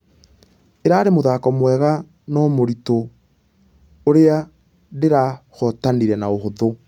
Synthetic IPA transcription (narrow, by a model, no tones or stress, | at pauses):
eɾaːɾemoðakɔmwɛɣa | nɔmoɾito | oɾea | deɾaɣɔtaniɾɛnaoɦoðo